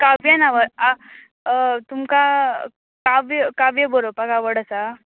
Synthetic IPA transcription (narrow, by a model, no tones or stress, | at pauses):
kabjənaʋəɾa | t̪umka | kaʋjkaʋjəboɾopakaʋəɽəsa